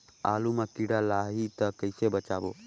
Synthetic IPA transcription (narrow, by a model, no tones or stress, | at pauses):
a̰ːlumakiɽalaɦit̪əkəjsebət͡ʃaːbo